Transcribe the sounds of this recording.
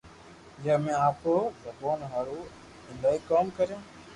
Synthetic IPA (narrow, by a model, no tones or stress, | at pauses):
jəːmẽːaːpoːzəboːnɦaːɾuː | ɪnd̪aːiːkoːmkəɾjãː